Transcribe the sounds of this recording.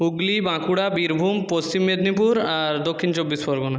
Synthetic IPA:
uɡlibãkuɽabiɾbʱumpost͡ɕimːed̪nipuɾaɾd̪okʰːint͡ɕobːispɔɾɡona

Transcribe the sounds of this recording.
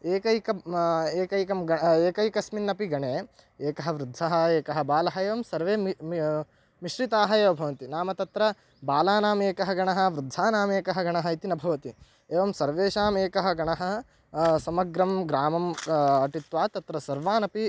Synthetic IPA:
eːkɐjkɐeːkɐjkɐmɡɐeːkɐjkɐsminːɐpiɡɐɳeː | eːkɐɦɐ̆ʋɾud̪ʱːɐɦɐ̆eːkɐɦɐ̆baːlɐɦɐeːʋɐmsɐɾʋeː | miʃɾit̪aːɦɐeːʋɐbʱɐʋɐnt̪inaːmɐt̪ɐt̪ɾɐ | baːlaːnaːmeːkɐɦɐɡɐɳɐɦɐ̆ʋɾud̪ʱːaːnaːmeːkɐɦɐ̆ɡɐɳɐɦɐ̆it̪inɐbʱɐʋɐt̪i | eːʋɐmsɐɾʋeːʃaːmeːkɐɦɐ̆ɡɐɳɐɦɐ̆ | sɐmɐɡɾɐmɡɾaːmɐmɐʈit̪ʋaːt̪ɐt̪ɾɐsɐɾʋaːnɐpi

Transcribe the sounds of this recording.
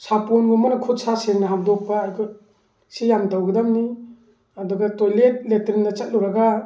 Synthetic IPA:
sapɔnɡɔmanakʰutsasenaɦap̚dɔk̚paːjkʰɔ | sijamtawɡedamni | adɔɡatojlet̚letɾindat͡ʃat̚luɾaɡa

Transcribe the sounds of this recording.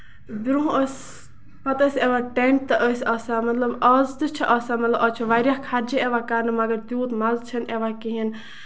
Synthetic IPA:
biɾuɦəs | mɐt̪əsʲeʋaʈeɳʈ̚t̪ɐʔəsʲɐːsamɐt̪lɐbɐːzd̪ɨt͡ʃʰiʔɐːsamɐt̪lɐbɐt͡ʃʰiʋaɾʲjakʰaɾd͡ʒieʋakaːnɨmɐɡɐɾt̪juːt̪mɐlt͡ʃʰɐneʋakiɦin

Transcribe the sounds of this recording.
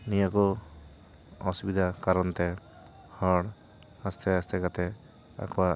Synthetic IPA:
nijakɔ | ɔsubid̪ʱakaɾɔnt̪ɛ | hɔɽ | ast̪ʰɛast̪ɛkat̪ɛ | a̰kɔwa

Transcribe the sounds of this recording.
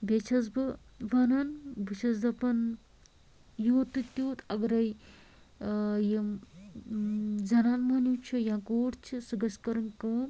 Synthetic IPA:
bet͡ʃʰɐzbɨʋɐnɐnbɨt͡ʃʰɐzd̪ɐpɐn | joːt̪ːɨt̪ʲːoːt̪ʰɐɡɐɾɐj | ji | d͡zɐnaːnmɐnit͡ʃʰɨjãːkoːʈt͡ʃʰisɨɡɐskɐɾɐŋkɐː

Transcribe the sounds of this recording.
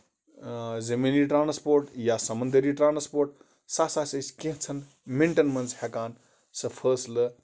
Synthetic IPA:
zemeniʈɾaːnspoːɾʈjasɐmɐnd̪əɾiʈɾãːnspoːɾʈ | saːsasɐskẽɦt͡sʰɐn | meɳʈɐnmɐnzhekaːn | sɐfʰəslə

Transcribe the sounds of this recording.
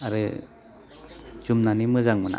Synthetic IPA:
aɾɯ | zumnanimɯzaŋmɯna̰

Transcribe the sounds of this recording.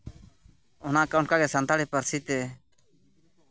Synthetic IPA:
ʊnaːkaʊɳkaɡɛsənt̪aɽipəɾsit̪ɛ

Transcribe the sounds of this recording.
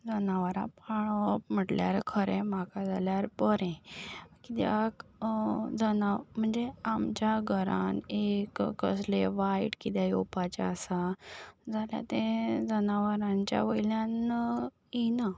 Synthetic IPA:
d͡zənaʋəɾã̰paɳ̃əm̤əʈlja̰ɾkʰəɾẽmakad͡zʱaljaɾpəɾɛ̃kit̪ja̰k | d͡zənam̤əɳd͡zeamt͡ɕjaɡʱəɾa̰nekkːəsleʋaiʈkit̪jajopat͡ɕa̰ːsad͡zʱalja̰t̪ẽd͡zənaʋəɾãɲt͡ɕja̰ʋəjljãn | ina

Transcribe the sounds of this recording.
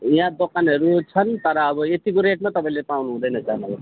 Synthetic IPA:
jãd̪okʰanɦʌɾut͡sʰʌnt̪ʌɾʌːbʌet̪ikoɾeʈ̚mat̪ʌpaĩlepawnuɦũd̪ʌjnʌsanʌɡ

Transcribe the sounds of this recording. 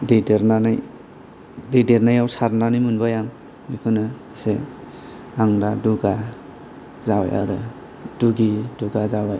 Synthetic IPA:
dideɾnanaj | dejdeɾnajawsaɾnanimɯnbajaŋ | mikʰɯnɯ | se | aŋdaduɡa | zawa̰ja̰ɾɯ | duɡiduɡazawaj

